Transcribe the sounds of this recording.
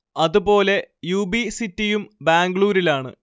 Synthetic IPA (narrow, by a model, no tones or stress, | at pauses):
ɐðubo̞ːle̞juːbisitːijumbaːŋɡɭuːɾilaːɳɨ̰